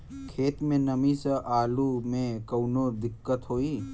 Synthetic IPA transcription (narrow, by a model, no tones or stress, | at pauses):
kʰeːt̪mẽnəmisəʔaːlumẽkəwnod̪ɪkːət̪ɦoːiː